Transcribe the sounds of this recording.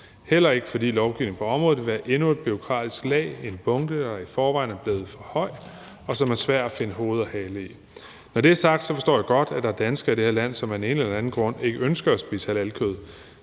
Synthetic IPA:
hel̰ɐe̝ɡ̥əfɒ̽d̥ḭːlɒʊɡ̥iʊ̰ne̝ŋ̩pʰɒ̽ɒ̽mʁɔ̽ð̩ˠʋeʋæɐʔe̝nue̝d̥̚b̥yo̝kʰʁɑ̰̈ːd̥isɡ̥lɛ̰ːɪe̝nb̥ɔ̽ŋd̥əd̥ɑ̈ifɒːʋɑ̈ɪ̰næɐb̥leːð̞̩ˠfɒ̽hɒ̽ɪ̰ | ɒ̽sɒ̽mæɐsʋæɐ̰d̥æfe̝nəɦo̝ːð̞̩ˠɒhɛːləi | nɒɾ̥e̝æɐsɑ̈ɡ̥̚d̥sɒfɒ̽sd̥ɔ̰ːjɑɡ̥ɒ̽d̥æ̥d̥ɑ̈æɐd̥ænsɡ̥ɐid̥ɾe̝heɐlæn̰sɒ̽mæɐd̥ene̝nelɐænn̩ɡ̥ʁɔ̽n̰e̝ɡ̥əønsɡ̥ɐæsb̥ḭːsælælkʰøð̞̩ˠ

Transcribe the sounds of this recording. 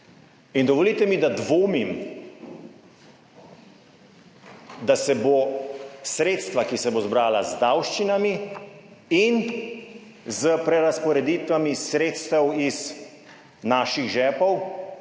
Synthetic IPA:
ind̪ɔʋoliːt̪ɛmid̪ad̪ʋoːmim | d̪asɛbosɾeːt̪st̪ʋakisɛbozbɾaːlazd̪awʃt͡ʃinami | in | zəpɾɛɾaspɔɾɛd̪iːt̪ʋamisɾeːt̪st̪ɛwiz | naːʃiɣʒɛːpɔw

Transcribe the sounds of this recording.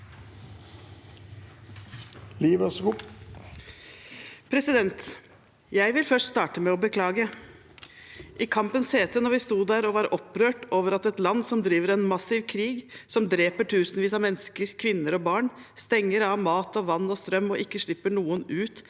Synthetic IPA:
liːʋəsɡu | pʰɾɛsɪd̪ɛnt̪ | jæɪʋɪlfœʂʈst̪ɑːʈəmɛɔbəkʰlɑːɡə | ʔɪkʰɑmpənsheːt̪ʰənɔɾʋɪst̪uːd̪æɾɔʋɑːɾʔɔpɾøːʈoːʋəɾɑt̪ɛt̪lɑnːsɔmd̪ɾiːʋəɾɛnmɑsiːʋkʰɾiːɡsɔmd̪ɾeːpəʈʰʉːsənʋiːsɑmɛnːskəɾkʰʋɪnːəɾɔbɑːɳst̪ɛŋːəɾɑʋmɑːt̪ɔʋɑnːɔst̪ɾœmːɔʔɪkːəʂɭɪpːəɳuːənʉːt̪

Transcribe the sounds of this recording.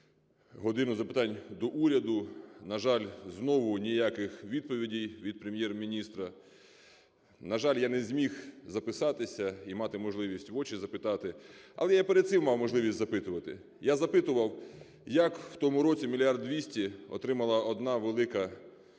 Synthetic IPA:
ɦɔd̪ɪnʊzɐpɪt̪ɑnʲd̪ɔʔuɾʲɐd̪ʊnɐʒɑlʲznɔʋʊnʲijakɪxʋʲid̪̚pɔʋʲidʲijʋʲid̪̚pɾemʲjɛrmʲinʲist̪ɾɐ | nɐʒɑlʲjanɛzʲmʲixzɐpɪsɑt̪ɪsʲɐimɑt̪ɪmɔʒlˠɪʋʲisʲtʲʋɔt͡ʃizɐpɪt̪ɑt̪ɪɐ̰lˠɛjapeɾed̪t̪sɪmmɑwmɔʒlˠɪʋʲisʲtʲzɐpɪt̪ʊʋɐt̪ɪ̰ | jazɐpɪt̪ʊʋɐw | jɐkwt̪ɔmʊɾɔt͡sʲimʲilʲiard̪ʋʲisʲtʲiɔ̰t̪ɾɪmɐlˠɐɔd̪nɑʋelˠɪkɐ

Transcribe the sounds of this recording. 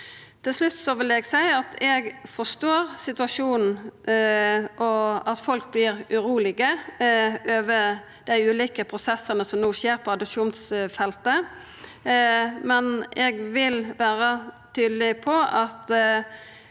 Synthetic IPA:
t̪ʰɪlslʉt̪ːsɔʋɪlɛɡsæɪɑt̪ʰɛɡfɔst̪oːʁsɪt̪ʉɑʂuːnn̩ | ʔɔɑt̪fɔlk̚blɪːɾʉɾuːlɪɡə | øːʋə | d̪̥æɪʉːliːkəpʰɾʊsɛsːənəsɔmnoːʃeːʁpʰɔɑd̪əpʂuːnsfɛlt̪ə | mɛnɛɡʋɪlʋæːɾət̪ʰyːd̪lɪpʰɔʔɑt̪

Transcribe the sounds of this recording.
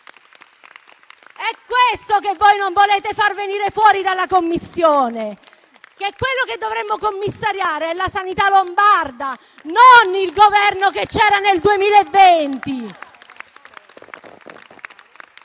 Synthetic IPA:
ɛkːwest̪okevːojnoɱvoleːt̪efarveniːɾefwɔːɾid̪alːakomːisːjoːne | kekːwelːoked̪ːovɾemːokomːisːaɾjaːɾeɛlːasanit̪alombard̪a | nonilɡovɛrnoket͡ʃːɛːɾaneld̪uemiːlaevːent̪i

